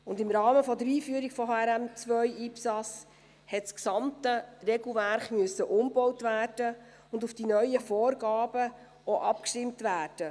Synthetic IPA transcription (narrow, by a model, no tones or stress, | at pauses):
ʊndɪmɾɑːməfɔdəɾiːfyːəɾiɡ̥fɔɦɑɛɾæmt͡sʋœʏʔiːpsɑs | hɛtsksɑmtərɛɡl̩ˠvæɾχmyəsːəʔʊmbɔwtvæːrd̥ə | ʊndufd̥inœʏəfɔːrɡɑːb̥ə | oʔɑpkʃtɪmtvæːrd̥ə